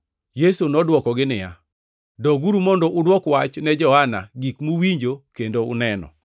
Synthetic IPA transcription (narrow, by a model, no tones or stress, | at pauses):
jesunɔdwɔkɔɡɪnɪja̰ | dɔɡuɾumɔndɔʔʊdwɔkwat͡ʃnɛd͡ʒɔhana̰ɡikmuwiɲd͡ʒokendoʊ̰nɛnɔ̰